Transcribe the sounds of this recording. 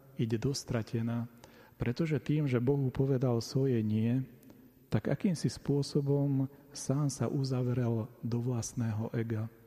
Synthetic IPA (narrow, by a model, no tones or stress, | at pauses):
iɟɛd̪ɔst̪ɾacʰɛnaː | pɾɛt̪ɔʒɛt̪iːmʒɛbɔɦupɔʋɛd̪alsʋɔjɛɲɪɛ | t̪aɡa̰kiːmsispʊɔsɔbɔmsaːnsa̰ʔuzaʋɾɛld̪ɔʋlasnɛːɦɔʔɛɡa